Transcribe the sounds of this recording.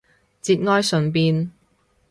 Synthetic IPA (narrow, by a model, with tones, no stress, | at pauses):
t͡siː˧t̚ŋɔː˥jsɵ˨˧npiː˧n